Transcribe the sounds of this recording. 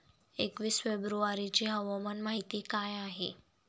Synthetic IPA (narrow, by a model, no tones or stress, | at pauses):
ekʋisfebɾuaɾit͡ʃiɦəʋamənmaɦit̪ikajaɦḛ